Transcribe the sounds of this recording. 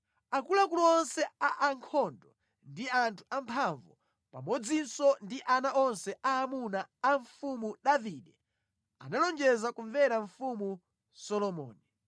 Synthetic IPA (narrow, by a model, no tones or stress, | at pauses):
akulakulɔɔnsɛaʔaŋkʰɔndɔ | ndiantʰu̥ʔampʰaɱvu | pamɔd͡zinsɔndiʔanaʔɔnsɛʔaːmunaːɱfumuɗaviɗɛ | a̰nalɔnd͡ʒɛzakuɱvɛɾaɱfumu | sɔlɔmɔ̰ːni